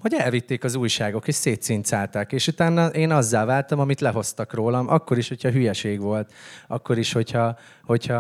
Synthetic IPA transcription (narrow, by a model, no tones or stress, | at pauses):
ho̞ɟɛlvit̪ːeːkɒzuːjʃaːɡo̞keːʃseːt̪sint̪saːlt̪akeːʃut̪aːnːɒʔeːnɒzːaːlvaːlt̪ɒmɒmit̪lɛɦo̞st̪ɒkroːlɒmʔɒkːo̞ɾiʃho̞cʰɒɦyjɛʃeːɡʋo̞lt̪ɒ̰kːo̞ɾiʃho̞chɒ | ho̞cʰhɒ